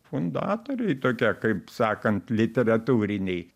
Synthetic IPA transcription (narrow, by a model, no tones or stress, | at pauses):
fʊnd̪ɑ̰ːt̪oːɾʲɛɪt̪oːkʲiɛkɐɪpsɑːkɐnt̪lʲɪt̪ʲɛɾɐt̪uːɾʲɪnʲɛɪ